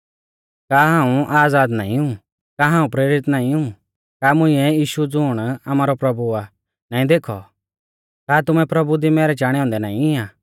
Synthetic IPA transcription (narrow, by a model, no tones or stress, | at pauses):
kaːɦãːũʔaːd͡zaːd̪na̰ːĩũ | kaːɦãːũpɾeːɾɪt̪naːĩũː | kaːmʊ̃ĩɛjiːʃud͡zʊːɽ̃amaːɾɔpɾɐbua | naːĩd̪eːkʰɔ̰ | kaːt̪ʊmɛpɾɐbud̪imɛːɾɛt͡ʃaːɽ̃ɛɦɔ̃ːnd̪ɛnaːĩɪãː